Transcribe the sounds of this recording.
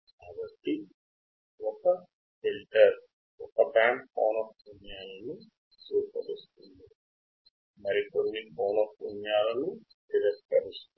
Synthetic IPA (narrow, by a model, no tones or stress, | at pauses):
kaːbɐʈːi | ɔkɐ | filʈɐɾ | ɔkɐbaːɳɖpoːnɐfpunjaːlɐnu | suːpɐ̰ɾist̪und̪i | mɐɾikonːikoːnɐfpunjaːlɐnu | ɖiɾekʈkɐɾist̪